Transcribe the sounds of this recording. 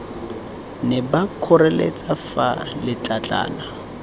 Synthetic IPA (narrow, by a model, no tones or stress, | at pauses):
nɛbakʰʊrɛlḛt͡sʼafalɪt͡ɬʼat͡ɬʼa̰ːna